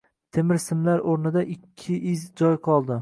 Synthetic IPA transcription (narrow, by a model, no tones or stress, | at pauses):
t̪ʰemɪɾsɪmlaɾoɾnɪd̪aʔɪkʲʰːɪʔɪzd͡ʒɒjqʰɒlˠd̪ɪ